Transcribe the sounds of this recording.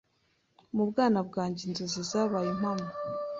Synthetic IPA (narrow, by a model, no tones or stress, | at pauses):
mubɡaːnabɡaːɲɟenzezizaβajim̥hamu